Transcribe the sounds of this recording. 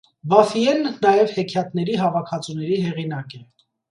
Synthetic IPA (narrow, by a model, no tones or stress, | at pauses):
bɑfiɛnːɑjɛvhɛkʰjɑt̪nɛɾiɦɑvɑkʰɑt͡sunɛɾiɦɛʁinɑkɛ